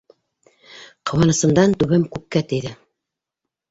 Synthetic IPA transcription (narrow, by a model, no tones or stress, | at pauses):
qʰɤ̆wɑnɤ̆sɤ̆md̪ɑnt̪ʉβɘmkʉk̚kæt̪ɘ̆jðɘ